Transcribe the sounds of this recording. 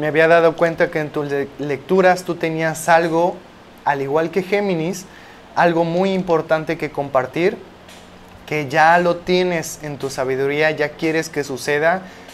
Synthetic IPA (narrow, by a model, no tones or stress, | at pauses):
meaβiaðað̞o̞kwe̞nt̪ake̞ːnt̪ule̞k̚t̪uɾast̪ut̪e̞niasalɣo̞ | aliɣwalke̞xe̞mĩnis | alɣo̞mujimpo̞ɾt̪ant̪e̞ke̞ko̞mpaɾt̪iɾ | ke̞ʝalo̞t̪je̞ne̞se̞nt̪usaβ̞iðuɾiaʝakje̞ɾe̞ske̞suse̞ð̞a